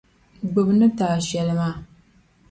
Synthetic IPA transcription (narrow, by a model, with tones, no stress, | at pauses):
ɡ͡bɨ˨bɨnɨ˦taː˨ʃɛ˨lɨ˦maː˦˨